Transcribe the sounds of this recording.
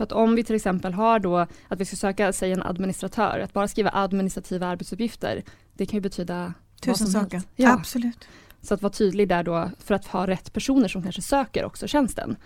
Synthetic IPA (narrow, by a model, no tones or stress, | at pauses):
sat̪ɔmvɪt̪ʰɪlɛksɛmpəlɦaɖɔːat̪vɪskafsøːkasɛjːaɛnʔa̰d̪mɪnɪst̪ɾat̪ʰœ̰ːɾat̪̚bɑːɾaskɾiːva̰ʔad̪mɪnɪst̪ɾat̪ʰiːvaaɾbɛt̪sɵpjɪft̪ə̰ɾ | d̪̥ɛkʰanjɵbɛt̪ʰyːd̪a | t̪ʉsɔmsɛːt̪jɑslʉːt̪sɔat̪vɑːt̪ʰyːd̪lɪɡ̚d̪æːɖɔːfœɾat̪hɑːɾɛt̪ːpʰæʂuːnəʂɔmkʰanʂəsøːkə̰ɾʔɔ̰ksɔɕɛnst̪ʰə̰n